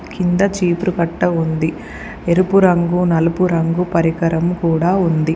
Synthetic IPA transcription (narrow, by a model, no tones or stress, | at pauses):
kind̪ɐt͡ʃiːpɾukɐʈːɐund̪i | eɾupuɾɐŋɡunɐlupuɾɐŋɡupɐɾikɐɾɐmkuːɽaːund̪i